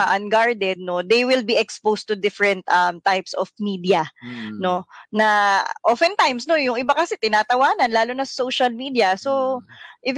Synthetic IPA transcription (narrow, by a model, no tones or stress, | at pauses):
aʔɐnɡaɹd̪ɛd̪̚no̞d̪ejwɪlbiʔɛkspowst̪ʊd̪ɪfɹɛ̃nt̪ʔɐmt̪ajpsʔɔfmiːd̪iɐno̞nɐʔofɛnt̪ajmsnojʊŋʔɪbakɐsɛt̪ɪnaːt̪ɐwaːnɐnlaːlʊnɐsɐ̥sowʃɐlmid̪iɐsoʔɪv